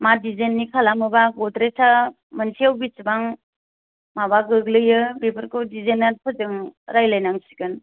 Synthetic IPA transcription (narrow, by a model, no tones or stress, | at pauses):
madizenːikʰalamɯbaɡɔdɾetʰa | mənsʰiawbit͡ʃbaŋ | mabaɡɯɡlɯjɯbepʰɯɾkɯdizenːatpʰɯzɯŋɾajlajnaŋsi̥kɯn